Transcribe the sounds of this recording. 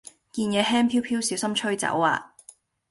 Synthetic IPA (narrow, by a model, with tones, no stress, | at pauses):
kiː˧njɛː˨˧ɦɛː˥mpʰiː˥wpʰiː˥wsiː˨˥wsɐ˥mt͡ʃʰɵ˥ɥt͡sɐ̰˨˥waː˧